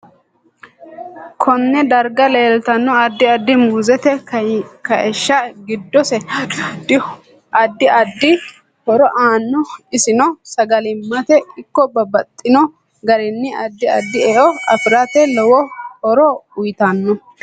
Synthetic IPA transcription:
kʰɔnːɛd̪ɐɾɡɐleːlt̪ɐnːɔɐd̪ːɪɐd̪ːɪmuːzɛt̪ɛkɐʔɛʃːɐɡɪd̪ːɔsɛd̪ɪ | ʔɐd̪ːɪɐd̪ːɪ | hɔɾɔʔaːnːɔɪsɪnɔsɐɡɐlɪmːɐt̪ɛɪkːɔbɐbɐt̪ʼːɪnɔ | ɡɐɾɪnːɪɐd̪ːɪɐ̰d̪ːɪɛʔɔɐfɪɾɐt̪ɛlɔwɔhɔɾɔʊjt̪ɐnːɔ

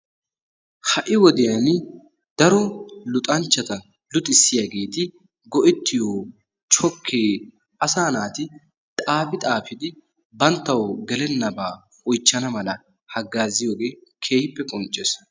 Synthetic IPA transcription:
hɐʔɪwɔd̪ɪjan | d̪̥ɐɾɔlʊt̪ʼɐnt͡ʃːɐt̪ɐ | lʊt̪ʼːɪsːɪjaɡe̞ːt̪ɪ | ɡɔʔɪt̪ːɪjoː | t͡ʃɔkʰːeː | ʔɐsaːnaːt̪ɪ | t̪ʼaːfɪt̪ʼaːfɪd̪ɪ | bɐnt̪ːɐwɔɡɛlɛnːɐbaː | ɔjt͡ʃːɐnɐmɐlɐ | hɐɡːaːzɪjo̞ːɡe̞ːkʰe̞ːhɪpːɛkʼɔnt͡ʃʼːeːs

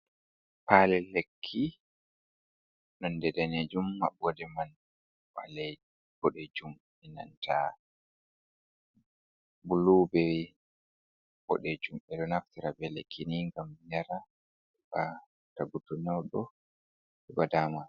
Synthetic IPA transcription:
palɛlekʰːi | nɔndɛdaned͡ʒumːabɔdɛman | wa̰lɛ | b̥ɔɗɛd͡ʒum | ɛna̰ntʰa | buluːbɛ | bɔ̰ɗɛd͡ʒumɛɗɔnaftiɾabɛlekʰːiniŋɡamjaɾa | ɛba | taɡutɔnɛwɗɔ | ɛbadama

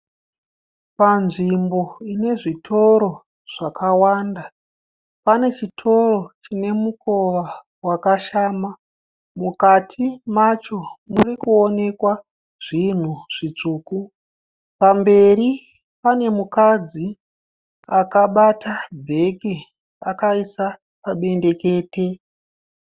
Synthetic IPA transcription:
panʐimbo̞ine̞ʐitʰo̞ɾo̞ | ʐ̥akawanda | pane̞t͡ʃitʰo̞ro̞t͡ʃine̞muko̞ʋa | wakaʃaːma | mukatʰimat͡ʃo̞murikuone̞kwa | ʐ̥in̤uʐ̥it͡ʂuːku | pambe̞ri | pane̞mukad͡zi | akaɓatʰabʱe̞ke | akaisa | paɓe̞nde̞ke̞ːte̞

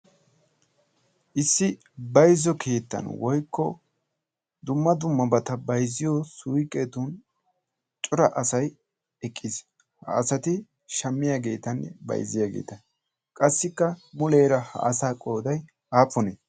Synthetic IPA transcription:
ʔɪsːɪ | bɐjzɔkʰe̞ːt̪ːɐ̰nwɔjkːɔ | d̪ʊmːɐd̪ʊmːɐbɐt̪ɐbɐjzːɪjɔsʊujkʼːɛt̪ʊn | t͡ʃʼʊɾɐʔɐsɐj | ɛkʼːɪs | hɐ̰ɐsɐt̪ɪ | ʃɐmːɪjaːɡe̞ːt̪ɐnːɛ̰bɐ̰jzɪjaːɡe̞̰ːt̪ɐ | kʼɐsːɪkːɐmʊleːɾɐhɐ̰ʔɐsaːkʼo̞ːd̪ɐj | aːpːɔne

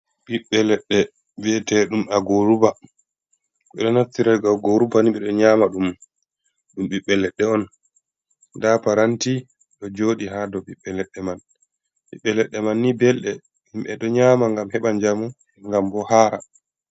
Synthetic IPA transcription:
ɓiɓːɛlɛɗːɛ | vɛtɛɗumaɡoɾuba | ɓɛɗɔnatːiɾajɡaɡoɾubaniɓɛɗɔɲaːmaɗum | ɗumɓiɓːɛlɛɗːɛɔn | dapaɾanti | ɗɔd͡ʒoːɗiɦadɔɓiɓːɛlɛɗɛman | ɓiɓːɛlɛɗːɛmanːibɛlɗɛ | nimɓɛɗɔɲaːmaŋɡamhɛɓaɲd͡ʒamu | ŋɡambɔhaːɾa

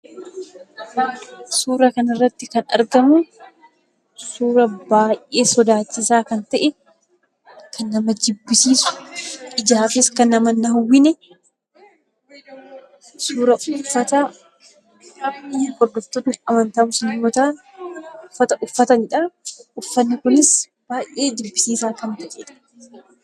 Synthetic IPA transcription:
suːɾɐkɐnɪrːɐt̪ːɪkɐnɐ̰ɾɡɐmʊ | suːɾɐbaːjʔe̞ːsɔd̪aːt͡ʃːɪsaːkɐnt̪ɐʔɛ | kʰɐnːɐmɐd͡ʒɪbːɪsiːsʊ̥ʔɪd͡ʒaːfɪskɐnːɐmɐnːɐhʊwːɪnɛ | suːɾɐʊfːɐt̪a | kɐbniɡɔɾd̪ɔft̪ːɔt̪nɪɐmɐnt̪ɐmʊsɪnɪmːɔt̪aːn | ʊfːɐt̪ɐʔʊfːɐt̪ɐnɪᶑaʊfːɐnːɪkʊnɪs | b̥aːjʔe̞ːd͡ʒ̪ɪbːɪsiːsaːkɐnt̪ɐʔḛᶑɐ̥

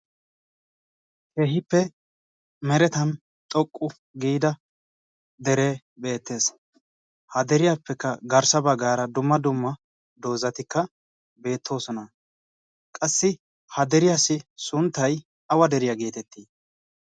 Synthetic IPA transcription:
keɦɪpːɛ | mɛɾɛt̪ɐn | t̪ʼɔkʼːʊ | ɡiːd̪ɐ | d̪ɛɾe̞ː | be̞ːt̪ːe̞ːs | hɐd̪ɛɾɪjapːɛkːɐɡɐɾsɐbɐɡaːɾɐd̪ʊmːɐd̪ʊmːɐ | d̪o̞ːzɐt̪ɪkːɐ | be̞ːt̪ʰːo̞ːsɔnɐ | kʼɐsːɪ | hɐd̪ɛɾɪjasɪsʊnt̪ːɐj | ɐwɐd̪ɛɾɪjɐɡe̞ːt̪ɛt̪ːiː

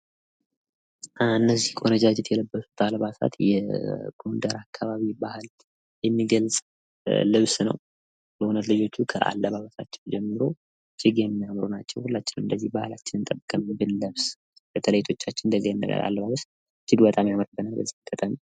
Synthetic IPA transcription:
ɨnːəzːihkʰonəd͡ʒad͡ʒɪt̪jɛləbːəsu̥t̪ʰaləβasa̰t̪jɛ̰ɡ̥o̞nd̪əɾakʰːaβaβibahɨl | jɛmːiɡəlsʼ | lɨβsnəw | bəhunət̪lɨd͡ʒo̞t͡ʃːukʰə̰ʔa̰lːəβaβəsat͡ʃːɛwd͡ʒɛmːɨɾo̞ | t͡ʃɪɡjɛmːijamɾunat͡ʃːɛwhulːat͡ʃːɪnɨnd̪əzːihbahɨlat͡ʃːɪnɨnt̪ʼəbːəkʼːəmbɨlːəβs | bət̪ʰələjit̪ʰo̞t͡ʃːat͡ʃːɪnnd̪əzːijɛnːə̰ɡə̰ɾa̰lːəβaβəs | t͡ʃɪɡ̪bət̪ʼamjaməɾbənalbə̰zːihkʼət̪ʼami

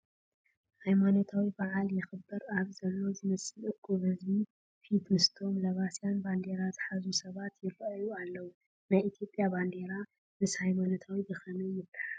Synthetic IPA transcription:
hajmanot̪ʰawibaʕaljɪxɨbːɨɾaβzɐlːo̞zɨmɐsʼɨlɨɡʰoβɐzbi | fit̪mɨst̪ʰo̞mlɐβasjanband̪e̞ɾazɨħazusɐβat̪jɪrɐʔjualːɐwu | najʔit̪ʰjo̞pʼjaband̪e̞ɾa | mɨshajmanot̪ʰawibɨxɐnujɪbt̪ɨ̥ħa

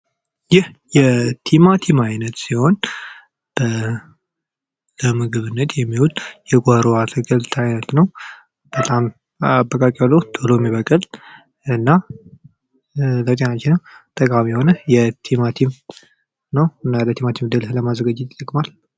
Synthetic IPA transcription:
jɪhjɛt̪ʰimat̪ʰimajnət̪siho̞n | b̥ə | ləmɨɡɨβɨnːət̪ʰjɛmːihut̪ʼjɛɡʼohɾoat̪ʰəɡəlt̪ʰajnət̪nəw | b̥ət̪ʼam | abːəkʼakʼialːod̪ʰoloɛmːiβəkʼəl | ɨnːa | ləwt̪ʼenat͡ʃːɪnːəwt̪ʼəkʼamijɛho̞nəjɛt̪ʰimat̪ʰim | nəwɨnːalət̪ʰimat̪ʰimd̪ɨlhləmazəɡad͡ʒːɪt̪i̥t̪ʼːəkʼmal

